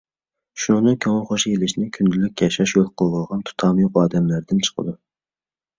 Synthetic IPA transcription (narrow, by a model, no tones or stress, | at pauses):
ʃunɨŋnɨkʲʰøŋəχoʃijelɪʃnɪkʲʰynd̪ylyk̚ʲjɑʃɑʃjolˠqʰəlˠəʁɑnt̪ʰu̥t̪ʰɑːmɨjoqɑːd̪ɛmlæɾd̪ɪnt͡ʃʰə̥qʰə̰d̪u